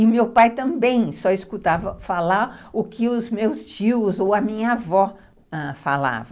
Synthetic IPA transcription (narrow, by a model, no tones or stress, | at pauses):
ɪmewpajt̪ɐ̃mbẽj̃sɔɪskut̪avɐfalaɾʊkʰɪʊzmewst͡ʃiʊzowɐmĩɲɐavɔ | ɛfa̰la̰vɐ